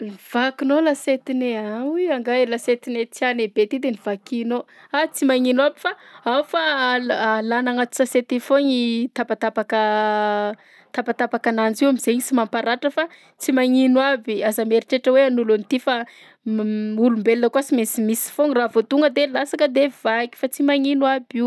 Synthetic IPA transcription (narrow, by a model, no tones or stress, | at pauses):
niv̥akinolaset̪ineawiaŋɡalaset̪inet͡sianebet̪id̪eniv̥akino | at͡simaŋinwabi̥faawfaalanaŋat̪u̥saset̪ifoɲit̪apat̪apakə | t̪apat̪apakanand͡ziwamiz̥eɲisimampaɾaʈ͡ʂəfa | t͡simaŋinwabiazameɾiʈ͡ʂeʈ͡ʂəweanulunit̪ifa | ulumbelinəkuasimesimisi̥foŋiravot̪uŋɡəd̪elasakəd̪ev̥aki̥fat͡simaŋinwabiw